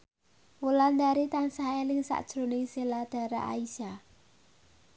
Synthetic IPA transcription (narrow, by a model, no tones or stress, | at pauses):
wuland̪aɾit̪ansaelɪŋsa̰ʔd̥ʒ̥ɾo̤nɪŋselad̪̥a̤ɾa̰ʔa̰isa